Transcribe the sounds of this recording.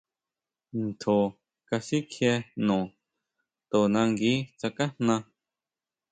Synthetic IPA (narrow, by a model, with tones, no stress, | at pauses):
n̩˨t̪ʰo˨ | ka˧si˦kʰjɛ˧nõ˨ | t̪o˨nã˧ŋɡi˦t͡sa˨ka˦n̥nã˧